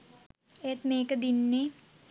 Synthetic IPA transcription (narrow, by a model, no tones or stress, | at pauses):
et̪meːkəd̪inːe